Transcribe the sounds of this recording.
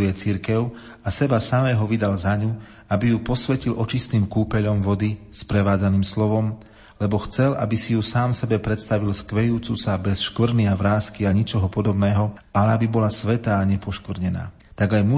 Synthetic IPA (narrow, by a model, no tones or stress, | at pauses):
ujɛt͡siɾkɛʊ | asɛbasamɛːɦɔʋid̪alzaɲu | abijupɔsʋɛcilʔɔt͡ʃist̪iːmkuːpɛʎɔmʋɔd̪ispɾɛʋaːd͡zaniːmslɔʋɔm | lɛbɔxt͡sɛlʔa̰bisijusaːmsɛbɛpɾɛt̪st̪aʋilskʋɛjuːt͡susabɛsʃkʋɾniaʋɾaːskiaɲɛt͡ʃɔɦɔpɔd̪ɔbnɛːɦɔ | alɛabibɔlasʋɛt̪aːɲɛpɔʃkʋrɲɛna̰ː | t̪aɡajmu